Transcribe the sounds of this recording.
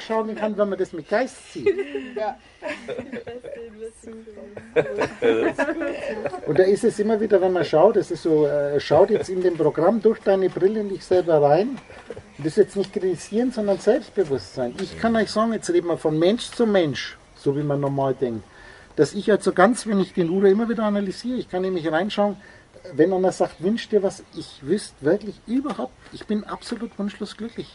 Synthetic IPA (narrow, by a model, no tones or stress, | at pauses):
ʃaʊnenhanvɛnmɐdasmɪt̚ɡ̥aɪstt͡siː | ʔʊnt̚d̥aːɪstɛsʔɪmɐviːdɐvɛnmɐʃaʊt̚d̥asɪstz̥oːɛʃaʊtjɛt͡stɪndeːmpʁ̥oɡʁamdʊɐçd̥aɪnəbʁɪləɪndɪçz̥ɛlbɐʁaɪn | ʊntd̥ɪsjɛt͡stnɪçt̚kʁ̥ɪtiz̥iːʁənz̥ɔndɐnzɛlpst̚b̥əvʊstz̥aɪnʔɪçkʰanɔʏçz̥aːɡŋ̩jɛt͡sʁeːdəmaːlfɔnmɛnʃt͡sumɛnʃ | z̥oːviːmanːɔmaːldɛŋk̚t | d̥asɪçalz̥oɡant͡sv̥ɛnɪçd̥eːnʁuːdɐɪmɐviːdɐanalyz̥iːʁəɪçkʰanemɪçʁaɪnʃaʊən | vɛnʔanɐz̥aːktvʏnʃd̥iːɐvasʔɪçvʏstv̥ɪɐklɪçʔyːbɐhaʊp̚tʔɪçb̥ɪnʔa̰psoluːtv̥ʊnʃloːsɡ̥lʏklɪç